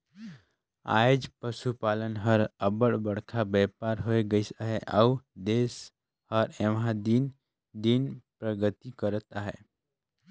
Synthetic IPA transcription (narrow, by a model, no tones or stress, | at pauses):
a̰ːjd͡ʒpəʃupaːlənɦəɾəbəɽbəɽkʰabɛːpaːɾɦoeɡəisaɦɛʔaud̪eːs | həɾeʋɦãd̪in | d̪inpɾəɡət̪ikəɾət̪aɦɛ̰ː